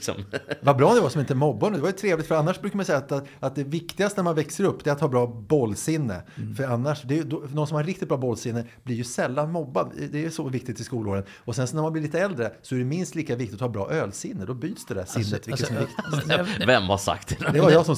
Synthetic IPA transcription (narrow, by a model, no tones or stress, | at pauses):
sɔ̰mvabɾɑːnd̪ɛvasɔmɪnt̪əmɔbːanʉːd̪ɛvaɾjʏt̪ʰɾeːvlɪkt̪fœɾanːaʂbɾʉkamajsɛjːat̪at̪̚d̪ɛvɪkt̪ɪɡast̪ənæɾmanvɛksəɾɵpːd̪ɛɾat̪hɑːbɾɑːbɔlːsɪnːə̰fœɾanːaʂd̪ɛjd̪ɔnɔnsɔmhaɾːɪkt̪ɪt̪bɾɑːbɔlːsɪnːəblɪɾjɵsɛlːanmɔbːad̪d̪ɛæjsɔvɪk̚t̪ɪt̪ːɪskuːloːɾən | ɔsɛnsɔnæmanblɪliːt̪əɛld̪ɾəsɔæɖɛmɪnst̪liːkavɪk̚t̪ɪt̪ɔhɑːbɾɑ̰ːʔøːlsɪnːəd̪ɔbyːt̪sd̪ɛd̪æ̰ʂɪnːət̪vɪkːəsɔmɛɾvɪkt̪vɛmːha̰ʂa̰k̚t̪ʰɪlɛd̪ɛvajɑːsɔm